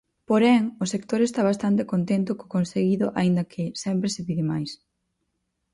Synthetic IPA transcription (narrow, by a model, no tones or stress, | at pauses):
poɾɛŋʊsekt̪oɾest̪aβast̪ant̪ekont̪ent̪ʊko̥konseɣiðʊʔaind̪ɐkʰɪsɛmpɾesɪβiðɪmajs